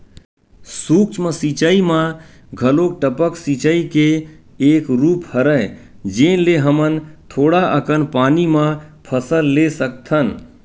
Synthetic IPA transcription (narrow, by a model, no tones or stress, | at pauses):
sukt͡ʃmesit͡ʃəimã | ɡʱəlok̚ʈəpəksit͡ʃəike | ekɾuphəɾəɪ | d͡ʒenleɦəmənt̪ʰoɽaʔəkənpanimãpʰəsəlːesək̚t̪ʰən